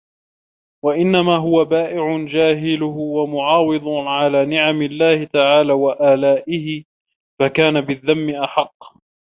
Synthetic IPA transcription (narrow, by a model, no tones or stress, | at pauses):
waʔɪnːamaːɦʊwabaːʔɪʕʊnd͡ʒaːɦɪlʊɦwamʊʕɑːwɨðˤʕalaːnɪʕamɪlːaːhɪt̪aʕaːlaːwaʔaːlaːʔɪhɪ | fakaːnabɪðːamːɪʔaħɑqː